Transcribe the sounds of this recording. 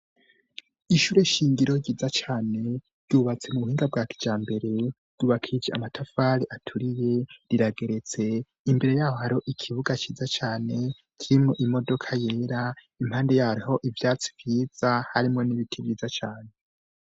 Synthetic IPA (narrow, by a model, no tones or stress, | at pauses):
iʃuːɾeʃiːŋɡiɾo̞ɾɟiːzat͡ʃaːne̞ | ɾɟuːβat͡se̞muβuhiːŋɡab̚ɡaːki̥d͡ʒaːmbe̞ɾe̞ɾɟ̥uːβakʰid͡ʒea̰matʰafaːɾiʔatʰuɾije̞ɾiɾaɡe̞ɾe̞t͡se̞ | imbe̞ɾe̞jaːho̞haɾoʔikʰiβuɡat͡ʃiːzat͡ʃaːne̞ | kʰiɾimŋo̞ʔimo̞do̞kʰaje̞ːɾa | imhaːnde̞jaːɾiho̞ʔivjaːt͡si̥vjiːz̥ahaɾimŋo̞niβitʰivjiːzat͡ʃaːne̞